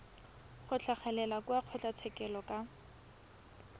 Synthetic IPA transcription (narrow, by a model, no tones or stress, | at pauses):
χʊt͡ɬʰaχɛlɛlakuaq͡χʰɔt͡ɬʼat͡sʰɛkɛlɔkʼa